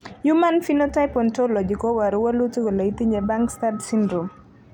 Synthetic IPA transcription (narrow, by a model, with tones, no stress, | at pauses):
jumanfinotajpɔntolɔ˨d͡ʒi˨kɔ˦wa˨ɾuwə˦lu˦ti˦ko˨la˨i˦t̪i˦ɲeba˦ŋkstadsindɾo˨m